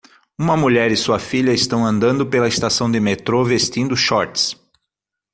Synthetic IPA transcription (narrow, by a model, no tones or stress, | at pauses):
ũmɐmuʎɛɾɪsuɐfiʎɐɪst̪ɐ̃w̃ɐ̃nd̪ɐ̃nd̪ʊpelɐɪst̪asɐ̃w̃d̪ɪmet̪ɾovest̪ĩnd̪ʊʃɔɾt̪ɪ̥s